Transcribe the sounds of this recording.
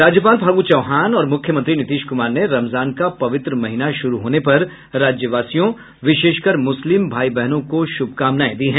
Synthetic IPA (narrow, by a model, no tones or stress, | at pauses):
ɾaːd͡ʒjəpaːlbʱaːɡuːt͡ʃɐʊɦaːnɔːɾmʊkʰjəmɐ̃nt̪ɾinɪt̪iːʃkʊmaːɾneɾɐmzaːnkapɐʋɪt̪ɾəmɐɦɪnaʃʊɾuɦoːnepɐɾː | aːd͡ʒjəʋaːsijõ | ʋɪʃeːʃkəɾmʊslɪmbʱaːibɛɦnõkoʃʊb̚ʱkaːmnaːẽd̪iɦɛ̃ː